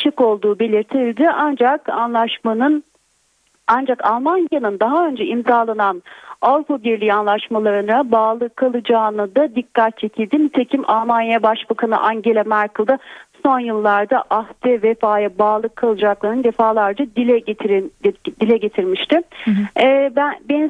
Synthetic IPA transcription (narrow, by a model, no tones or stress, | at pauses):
t͡ʃʰɯko̞lˠd̪uːbe̞lʲiɾt̪ʰilʲd̪ɪʔand͡ʒakanlˠaʃmanɯn | and͡ʒakʰalˠmanjanɯnd̪aɦaø̞nd͡ʒɛimzaːlˠananavɾupabiɾlʲiːanlˠaʃmalˠaɾɯnabaːlˠɯkʰːalˠɯd͡ʒaːnɯd̪ad̪ikːat̪̚t͡ʃʰecʲʰilʲd̪imit̪ʰe̞cʰima̰lˠmanjajabaʃbakʰanɯ̰ʔaɲɟe̞lʲɛmæɾkɯlˠd̪aso̞njɯlˠːaɾd̪aʔaht̪ʰɛvefaːjabaːlˠɯkʰːalˠɯd͡ʒaklˠaɾɯnd̪e̞faːlˠaɾd͡ʒ̪ad̪ilʲɛ | d̪ilʲɛɟe̞t̪ʰiɾmiʃt̪ɪ | bæbeni